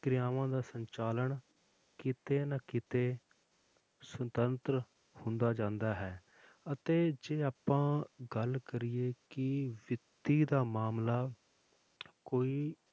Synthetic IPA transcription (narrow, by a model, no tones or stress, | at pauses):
kɾɪjaːʋãːd̪aːsəɲt͡ʃaːləɳ | kɪt̪eːnaːkɪt̪eː | sʊt̪ənt̪ɾ | hʊnd̪aːd͡ʒãːnd̪aːɦɛː | ət̪eːd͡ʒeːaːpãːɡəlkəɾɪeːkɪʋɪt̪iːd̪aːmaːmlaː | koːiː